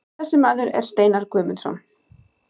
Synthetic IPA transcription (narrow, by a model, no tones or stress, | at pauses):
ɛsːɪmaːðʏɾɛ̰ɾ̥st̪eːjnaɾ̥kʰvœːmɪnsɔ̰n